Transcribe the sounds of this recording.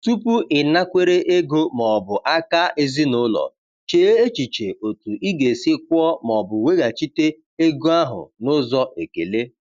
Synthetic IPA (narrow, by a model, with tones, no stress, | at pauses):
tu˦pu˦ʔɪ˨na˦kʷe˦ɾe˦ʔe˦ɡo˦mɔ˨bʊ˨ʔa˦ka˦ʔe˦zi˦nʊ˦lɔ̰˨ | t͡ʃeː˨˦e˦e˦t͡ʃi˨t͡ʃe˨ʔo˨tu˨i˦ɡe˨sɪ˦k̚ʷɔ˦mɔ˨bʊ˨we˦ɡa˨t͡ʃi˦te˦ | e˦ɡo˦a˦ɦʊ̰˨nʊ˦zɔ˦ʔe˨ke˨le˦